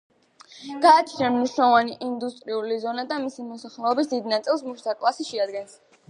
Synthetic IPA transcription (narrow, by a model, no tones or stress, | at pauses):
ɡ̥aːt͡ʃʰnamniʃunavaniʔind̪ust̪ʼɾiulizɔnad̪amisimɔsaχlɛɔbisd̪id̪nat̪sʼilˠs̬muʃt̪ʰakʼlˠasiʃɛad̪ɡɛns